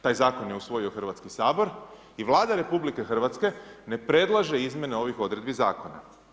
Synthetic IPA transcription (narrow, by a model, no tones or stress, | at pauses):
t̪aːjzaːko̞nje̞usʋo̞io̞xr̩ʋat̪skisaːbo̞ɾ | iʋlˠaːd̪aɾe̞publike̞xr̩ʋat̪ske̞ne̞pɾe̞d̪lˠaʒeizmʲje̞ne̞o̞ʋixo̞d̪ɾe̞d̪bizaːko̞na̰